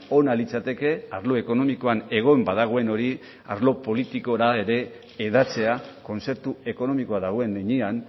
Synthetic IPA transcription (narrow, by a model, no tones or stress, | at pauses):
o̞nalit͡sat̪e̞ke̞aɾloe̞ko̞no̞miko̞ane̞ɣ̞o̞embaðaɣ̞o̞e̞no̞ɾi | a̰ɾlo̞po̞lit̪iko̞ɾae̞ɾe̞ː | ðat͡se̞ako̞nt͡se̞ɾt̪ue̞ko̞no̞miko̞aðaɣ̞o̞e̞neɲian